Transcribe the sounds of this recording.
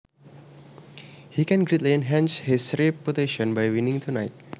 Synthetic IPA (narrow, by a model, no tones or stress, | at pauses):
hikɛ̃nɡɾet̪liɛ̃nɦɛ̃nshisɾipːoteʃɔ̃nbajwinɪ̃ŋt̪ʰunajt̪̚